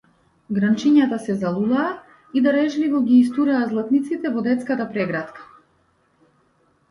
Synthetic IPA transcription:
ɡɾant͡ʃiɲat̪asɛzalˠulaː | id̪aɾɛʒlivɔɡiːs̬t̪uɾɛːzlˠat̪nit̪sit̪ɛvɔd̪ɛt̪skat̪apɾɛɡɾat̪kḁ

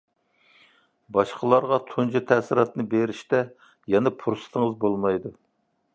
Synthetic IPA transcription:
bɑʃqʰəlˠɑɾʁɑt̪ʰund͡ʒut̪ʰɛsɪɾɑt̪nɨbeɾiʃt̪ɛ | jɛnɛpʰuɾsɨ̥t̪ʰəŋəzbolˠmɑjd̪u

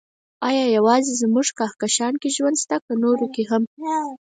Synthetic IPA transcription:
ɑjɑjawɑzezmuʐkɑhkaʃɑnkeʒwand̪st̪akənoɾokeɦam

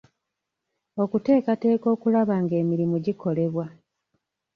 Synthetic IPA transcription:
o̞kute̞ːkate̞ːko̞ːkulaβaŋɡe̞ːmiɾimuɟikʰo̞le̞βwa

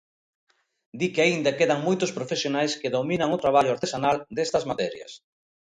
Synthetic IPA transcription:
d̪ikeaind̪ɐkeðɐŋmojt̪ʊspɾofesjonajskɪðominɐŋʊt̪ɾaβ̞aʎʊaɾt̪esanald̪est̪ɐzmat̪ɛɾjɐ̰s

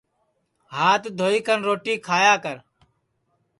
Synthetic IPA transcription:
ɦaːt̪d̪ʱoːiːkənɾoːʈiːkʰaːjaːkəɾ

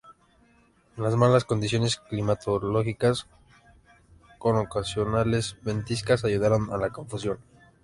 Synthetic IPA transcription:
lazmalasko̞nd̪is̬jo̞ne̞sklimat̪o̞lo̞xikas | ko̞nokasjo̞nale̞zbent̪iskasaʝuðaɾonalako̞ɱfusjo̞n

